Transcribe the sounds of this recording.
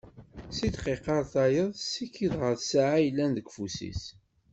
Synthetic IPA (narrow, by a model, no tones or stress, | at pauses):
sid̪qiqɑɾˤθɑjəðˤsikːiðʁəɾθsaʕajlːænðəɡfusḭs